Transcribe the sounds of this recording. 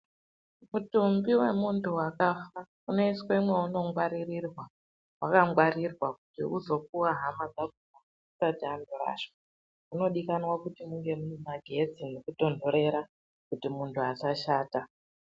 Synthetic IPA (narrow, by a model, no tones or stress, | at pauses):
mutumbiwe̞muntʰuwakafa | une̞iswe̞imwe̞uno̞ŋɡwaɾirirwa | wakaŋɡwaɾirwaku̥tḭuzo̞k̚uwaɦamad͡zaɡ̚ʱuma | usatiandoɾa̰ʃwa | uno̞ɗikanwakutimuŋɡe̞munemaɡʱe̞d͡zinokudo̞ndʱo̞ɾe̞ɾa | kutimuntʰuasaʃaːta